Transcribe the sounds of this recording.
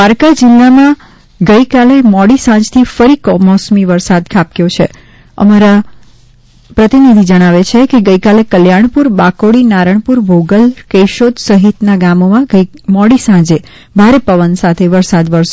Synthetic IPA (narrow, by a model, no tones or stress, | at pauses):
aɾkad͡ʒilːamã | ɡəikalemɔɽisãd͡ʒt̪ʰifəɾikɔmɔsmiʋəɾsad̪kʰap̚kjot͡ʃʰḛ | ə̰maɾa | pɾət̪inid̪ʱid͡ʒəɽ̃aʋet͡ʃʰekeɡəikalekəljaɳ̃puɾbakoɽinaɾəɳpuɾbʱoɡəlkeʃot̪səɦit̪naɡamomãɡəmɔɽisãd͡ʒe | bʱaɾepəʋənsat̪ʰeʋəɾsad̪ʋəɾʃe